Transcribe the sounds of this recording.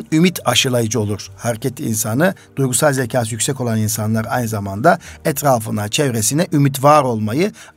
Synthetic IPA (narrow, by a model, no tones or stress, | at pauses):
nymit̪ʰaʃɯlˠajɯd͡ʒɯo̞lˠuɾ̥haɾecʰɛt̪ʰːiḭnsanɯd̪̥ujɡusalˠzecʰaːsjycʲsɛko̞lˠaninsanlˠaɾajnɯzamand̪aɛt̪ʰɾaːfɯnat͡ʃʰɛvɾesinɛʔymit̪vaɾo̞lˠmajɯ